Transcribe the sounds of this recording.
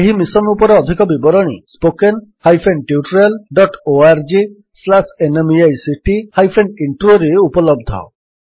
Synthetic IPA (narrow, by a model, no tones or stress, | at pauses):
eɦimisɔnupɔɾeɔd̪ʱikɔbibɔɾɔɽ̃ḭspokenhajpʰenʈiuʈɾelɖɔʈoaɾd͡ʒi | slasenemiajsiʈihajpʰenɖiɳʈɾoɾeupɔlɔb̚d̪ʱɔ̰